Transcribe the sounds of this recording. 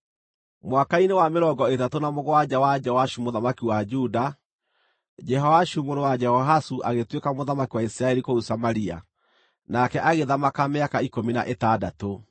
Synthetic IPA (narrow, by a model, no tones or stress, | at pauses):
mwakainewameɾɔɡɔetatonamoɣoad͡ʒɛwad͡ʒɛwaʃumoðamakiwad͡ʒuda | d͡ʒɛɦɔwaʃumoɾowad͡ʒɛhɔɦasuʔaɣetwekamoðamakiwaisɾaɛɾikousamaɾia̰ | nakɛʔaɣeðamakameakaikomina̰ʔetadato